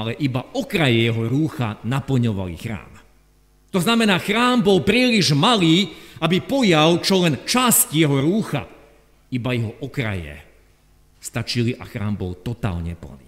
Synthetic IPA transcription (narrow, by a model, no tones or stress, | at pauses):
alɛʔibaɔkɾajɛjɛɦɔɾuːxanapl̩ɲɔʋa̰lḭxɾa̰ːm | t̪ɔznamɛnaːxɾaːmbɔlpɾiːliʒmaliːabipɔjalt͡ʃɔlɛnt͡ʃascjɛɦɔɾuːxa̰ | ibajɛɦɔʔɔkɾa̰jɛ̰ | st̪at͡ʃiliʔa̰xɾa̰ːmbɔ̰lt̪ɔt̪a̰ːlɲɛ̰pl̩nḭ